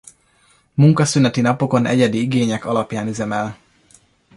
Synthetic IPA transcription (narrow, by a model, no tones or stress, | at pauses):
muŋkɒsynɛt̪inɒpo̞ko̞nɛ̰ɟɛd̪iiɡeːɲɛkɒlɒpjaːnyzɛmɛl